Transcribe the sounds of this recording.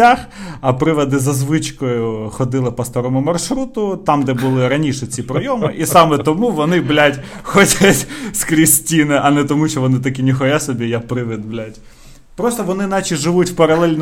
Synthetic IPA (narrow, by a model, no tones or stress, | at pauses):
axɐpɾɪʋɐd̪ɪzɐzʋɪt͡ʃkɔjʊxɔd̪ɪlˠɪpɐst̪ɔɾɔmʊmɐrʃɾut̪ʊt̪ɑmd̪ɛbʊlˠɪɾɐnʲiʃɛt͡sʲipɾɔjɔmɪʔisɑmɛt̪ɔmuʋɔnɪblʲatʲxɔtʲɐtʲskɾʲisʲtʲinɪʔɐnɛt̪ɔmuʃt͡ʃɔʋɔnɪt̪ɐkʲinʲixɔjasɔbʲijapɾɪʋɪd̪blʲatʲ | pɾɔst̪ɔʋɔnɪnɑt͡ʃiʒɪʋutʲwpɐɾɐlˠɛlʲn